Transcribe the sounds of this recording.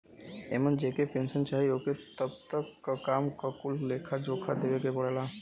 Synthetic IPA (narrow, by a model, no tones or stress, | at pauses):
eːmənd͡ʒeːkepẽːnsənt͡ʃaːɦioːket̪əbt̪əkːakaːmkakʊlleːkʰad͡ʒoːkʰad̪eʋekebəɽ̤eːla